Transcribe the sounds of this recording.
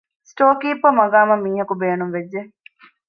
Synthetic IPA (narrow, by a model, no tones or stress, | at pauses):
sʈoːkiːpʋɐmɐɡaːmɐmːiːɦɐkubeːnumʋed͡ʒːe